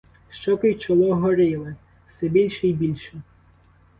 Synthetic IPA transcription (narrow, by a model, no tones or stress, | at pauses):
ʃt͡ʃɔkɪjt͡ʃɔlˠɔɦɔɾɪlˠɪ | fsɛbʲilʲʃɛjbʲilʲʃɛ